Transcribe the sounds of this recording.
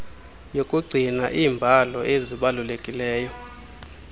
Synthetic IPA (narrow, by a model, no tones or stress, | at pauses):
jokʼuɡ͡ǀʱinaʔiːmbʱalɔeziɓalulekʼilɛːjɔ